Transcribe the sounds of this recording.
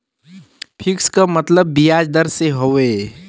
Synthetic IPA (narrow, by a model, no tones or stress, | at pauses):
pʰikskəmət̪ləbːijad͡ʒd̪əɾseɦoe